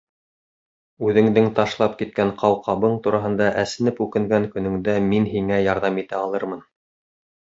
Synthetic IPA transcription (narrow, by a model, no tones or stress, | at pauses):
ʉðɘ̆ŋd̪ɘŋt̪ɑʃlˠɑp̚kit̪̚kæɴqɑwqʰɑβɤɴt̪uɾɑɦɤ̆nd̪ɑʔæsɘ̆nɘpʉkɘ̆ŋɡæŋkɵ̆nɵ̆ŋd̪æminɦiŋæjɑɾðɑmit̪æɑlˠɤɾmɤn